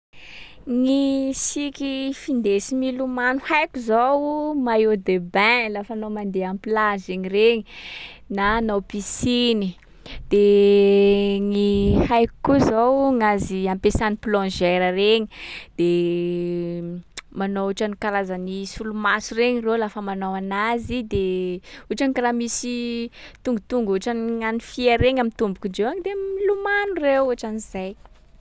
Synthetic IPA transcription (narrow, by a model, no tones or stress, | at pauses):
ŋisikʲifind̪esimilumanuhajkuzowmaod̪ebɛ̃lafanomand̪eampilazeɲireɲi | naːnowpisini | d̪̥e | ŋihajku̥kuzowŋaziãmpesaniplɔ̃ʒɛɾəreɲi̥d̪̥e | manowuʈ͡ʂanikaɾazanisulumasureɲirewlafəmanowanazid̪euʈ͡ʂanikaɾamisit̪uŋɡut̪uŋɡuʈ͡ʂanŋanifieɾeŋamint̪umbukiɳd͡ʒewaŋid̪emilumanurewuʈ͡ʂanizaj